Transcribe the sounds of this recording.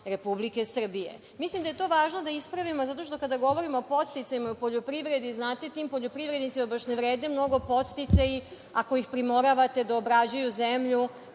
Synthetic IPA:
ɾe̞publike̞sr̩bije̞̰ | mislimd̪ajet̪o̞ːʋaːʒnod̪aispɾaʋimozat̪o̞ʃ̬t̪o̞kad̪aɡo̞ʋo̞ɾimo̞ːpo̞t̪st̪it̪sajimaiopo̞ʎo̞pɾiʋɾe̞d̪iznaːt̪et̪iːmpo̞ʎopɾiʋɾed̪nit̪simabaʃneʋɾe̞ːd̪nemno̞ɡopo̞t̪st̪it̪saji | ako̞jixpɾimo̞ɾaʋat̪e̞d̪aobɾad͡ʑujuzemʎu

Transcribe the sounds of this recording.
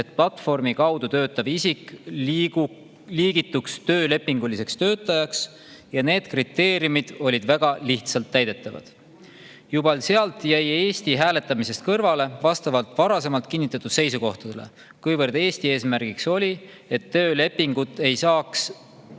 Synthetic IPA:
e̞t̪̚plɑt̪ːˑfo̞rmikɑwd̪̥ut̪ø̞ːt̪ːˑɑvisik | liːɡ̥it̪ːˑukst̪ø̞ːle̞pːiŋɡ̥ulise̞kst̪ø̞ːt̪ːˑɑjɑks | jɑne̞ːd̪̥krit̪ːe̞ːɾijumid̪̥o̞lʲid̪væɡ̥ɑliht̪sɑlt̪ːæjd̪̥e̞t̪ːˑɑvɑ̰d̪̥ | jubɑlseɑlt̪ˑjæje̞ːst̪iɦæːle̞t̪ːˑɑmise̞st̪̚kɤrvɑle̞vɑst̪ɑvɑlt̪ˑvɑɾɑse̞mɑlt̪̚kinːit̪ːˑɑt̪ːˑud̪̥se̞jsuko̞ht̪ɑd̪̥elḛ | kujvɤrd̪̥e̞ːst̪ieːsmæɾɡ̥ikso̞lʲi | e̞t̪ːøːle̞pːiŋɡ̥ut̪ːˑe̞jsɑːks

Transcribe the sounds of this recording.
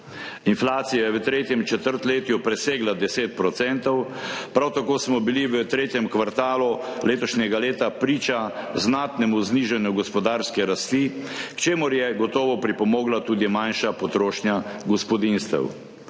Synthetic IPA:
inflaːt̪sijajɛʋət̪ɾeːt̪jɛmt͡ʃɛt̪əɾt̪leːt̪jupɾɛseːɡlad̪ɛseːt̪̚pɾɔt̪sɛnt̪ɔwpɾawt̪akoːsmɔbiliʋət̪ɾeːt̪jɛmkʋaɾt̪aːluleːt̪ɔʃnʲɛɡaleːt̪apɾiːt͡ʃaznaːt̪nɛmuzniːʒanjuɡɔspɔd̪aːɾskɛɾast̪ikt͡ʃeːmʊɾjɛɡɔt̪ɔːʋɔpɾipɔmɔːɡlat̪uːd̪imanʃapɔt̪ɾoːʃnjaɡɔspɔd̪inst̪ɛ̰w

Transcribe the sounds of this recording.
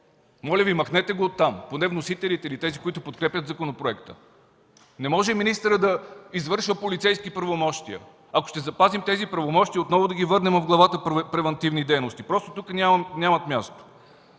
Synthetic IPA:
mɔlʲəvimɐxnɛt̪ɛɡoot̪ːamponɛvnosit̪ɛlit̪ɛilit̪ɛzikʊit̪ʊpot̪kɾɛpjət̪zɐkonopɾoɛkt̪ə̰ | nɛmɔʒɛminist̪əɾəd̪ɐizvɤɾʃvəpolit̪sɛjskipɾɐvomɔʃt̪iə̰ | ɐko̥ʃt̪ɛzɐpazimt̪ɛzipɾɐvomɔʃt̪iəot̪nɔvʊd̪ɐɡʲivɤɾnɛmvɡlˠɐvat̪əpɾɛvɛnt̪ivnid̪ɛjnost̪ipɾɔst̪o̥t̪ukənʲanʲamɐt̪mʲjast̪o̥

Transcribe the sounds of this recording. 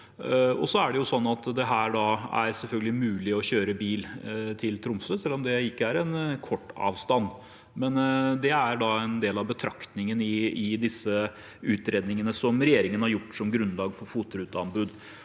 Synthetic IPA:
ɔ̰sɔæɖɛjʊsɔnːɑt̪d̪ɛɦæːɾɖɑæ̰ɾsɛlfœlɡəlɪmʉːlɪɔɕøːɾəbiːlt̪ʰɪlt̪ʰɾʊmsəsɛlːɔmd̪ɛɪkːəæɾɛnkʰɔʈːɑ̰ːʋst̪ɑnː | mɛnd̪ɛæɾɖɑɛnd̪eːlɑʋbət̪ʰɾɑkt̪nɪŋənɪɪd̪ɪsːə | ʉːt̪ɾeːd̪nɪŋənəsɔmɾɛjeːɾɪŋənhɑɾjʊʈːsɔmɡɾʉnːlɑːɡfɔɾfuːt̪ɾʉːt̪əɑnbʉd̪

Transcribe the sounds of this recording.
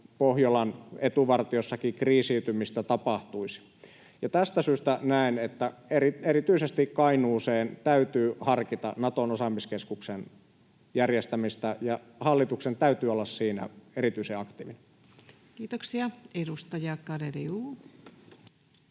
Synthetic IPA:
pohjolɑnet̪uʋɑrt̪iosːɑkikriːsiyt̪ymist̪æt̪ɑpɑht̪uisi̥ | jɑt̪æst̪æsyːst̪ænæˑenet̪ːæerieɾit̪yisest̪ikkɑinuːseːnt̪æyt̪yːhɑrkit̪ɑ̰nɑt̪onosɑmiskeskuksen | jærjest̪æmist̪æjɑ | hɑlːit̪uksent̪æyt̪yːolːɑssiːnæ̰eɾit̪yiseɑkt̪ḭːʋinæ | kiːt̪oksiɑedust̪ɑjɑkɑɾeriuː

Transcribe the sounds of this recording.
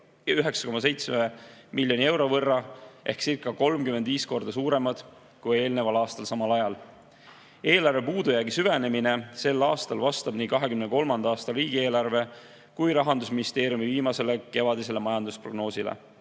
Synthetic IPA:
jɑyɦe̞ksɑ̥ko̞mɑs̬e̞jt̪smemiljo̞nie̞wɾo̞vɤrːɑʔe̞̰hksirkːˑɑko̞lmkymend̪̥viːsko̞rd̪̥ɑsuːɾe̞mɑd̪̥ | kuje̞ːlnevɑlɑːst̪ɑlsɑmɑlɑjɑl | e̞ːlɑɾrve̞puːd̪ujæːɡisyvene̞mine̞se̞lːɑːst̪ɑlvɑst̪ɑb̥niːkɑɦe̞kymneko̞lmɑnd̪ɑɑːst̪ɑriːɡ̥ie̞ːlɑrve̞ | kujɾɑɦɑnd̪us̬minist̪eːɾjumiviːmɑse̞le̞ke̞vɑd̪ise̞le̞mɑjɑnd̪uspro̞ɡno̞ːsilḛ

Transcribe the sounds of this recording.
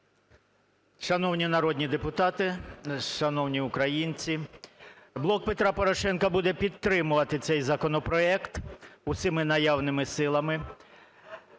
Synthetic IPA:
ʃɐnɔwnʲinɐɾɔd̪ʲnʲid̪epʊt̪ɑt̪ɪʃɐnɔwnʲiʊkɾɐjinʲt͡sʲi | blˠɔk̚pet̪ɾɑpɔɾɔʃɛnkɐbud̪ɛpʲid̪̚t̪ɾɪmʊʋɐt̪ɪt̪sɛjzɐkɔnɔpɾɔɛkt̪ʊsʲɪmɪnɐjɑwnɪmɪsɪlˠɐmɪ

